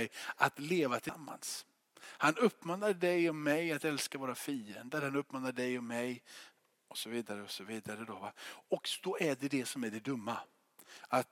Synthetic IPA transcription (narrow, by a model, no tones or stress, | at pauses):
ɛjat̪leːvat̪ʰɪmːa̰ns | hanɵpːmɑːnɾaɖɛjɔmːɛjat̪ɛlskavoːɾafiːənd̪əɾhanɵpːmɑːnɾaɖɛjɔmːɛj | ɔsɔviːd̪aɾəɔsɔviːd̪aɾəd̪ɔvaɔkd̪̥ɔæɖɛd̪ɛsɔmæɖɛd̪ɵmːa | at̪